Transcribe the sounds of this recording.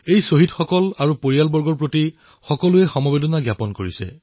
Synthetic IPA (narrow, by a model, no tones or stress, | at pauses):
ejsoɦitxɔkɔlaɹupoɹijalbɔɹɡɔɹpɹoti | xɔkɔluɛxɔmɔbedɔnaɡjapɔnkoɹisɛ̰